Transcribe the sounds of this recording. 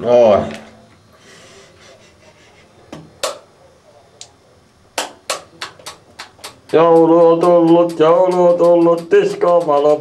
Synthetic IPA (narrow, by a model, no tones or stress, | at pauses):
no | jouluot̪ulːut̪jouluot̪ulːut̪tiskomɑlo